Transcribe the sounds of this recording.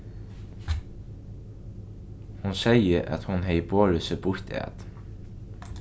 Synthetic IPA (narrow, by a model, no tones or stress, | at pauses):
hʊnsæɪəɾʔɑ̰t̪hʊnheɪboːɾəsəbʊɾt̪ʰæ̰ːt̪